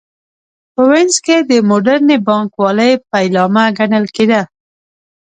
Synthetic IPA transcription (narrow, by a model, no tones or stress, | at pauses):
pəwɛnzked̪əmoɖaɾnebɑŋkwɑləjp̚ajlɑmaɡanəlked̪a